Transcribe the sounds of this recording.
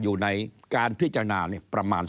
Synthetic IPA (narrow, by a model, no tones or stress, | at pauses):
juːnɨjkaːnpʰiəʔt͡ɕaːŋnaːniəprɑmaːn